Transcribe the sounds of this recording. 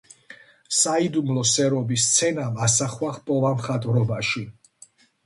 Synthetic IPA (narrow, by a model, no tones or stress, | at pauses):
said̪umlɔsɛɾɔbist̪sʰɛnamasaχwaχpʼɔvamχat̪ʼvɾɔbaʃi